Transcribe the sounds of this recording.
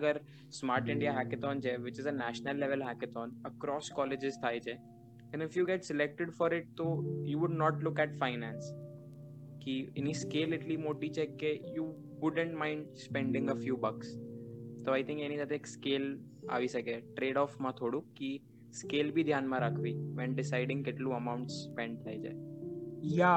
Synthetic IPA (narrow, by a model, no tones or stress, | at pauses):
ɐɡəɾ | smaːɾʈɪ̃ɳɖijaɦækɪt̪ɔ̃nt͡ʃʰeʋɪt͡ʃɪzənæʃnəlːɛʋəlɦækɪt̪ɔːnəkɾɔːskɔːlɪd͡ʒɪzt̪ʰaːjt͡ʃʰe | ɛ̃nɪfjuːɡɛʈsɪlɛk̚ʈɪɖfɔɾɪʈ̚t̪ojuʋʊɖnɔːʈlʊkɛʈfaɪnɛ̃ns | kiɪniskeːlːɪʈlimoʈit͡ʃʰekejuː | ʋʊɖə̃ɳʈmãɪ̃ɳɖspɛ̃ɳɖɪ̃ŋɡəfjuːbəkst̪oajt̪ʰɪ̃ŋkenisat̪ʰeːkskel | a̰ʋiʃəkeʈɾeɖɔfmãt̪ʰoɽũki | skeːlbʱid̪ʱjanmãɾakʰʋiʋɛnɖɪsaɪɖɪ̃ŋkeʈlũəmaʊ̃ɳʈsːpɛ̃ɳɖ̚t̪ʰajd͡ʒa̰ | ja